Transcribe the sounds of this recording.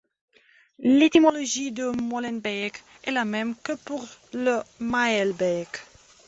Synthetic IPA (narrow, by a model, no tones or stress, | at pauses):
let̪imɔloʒid̪əmɔlɛnbɛk | ɛlamɛmkəpuʁləmaɛlbɛk